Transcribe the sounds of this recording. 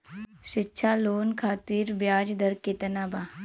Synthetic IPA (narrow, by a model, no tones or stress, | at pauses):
ɕitːɕʰalonkʰat̪iːɾbjad͡ʑd̪əɾket̪naba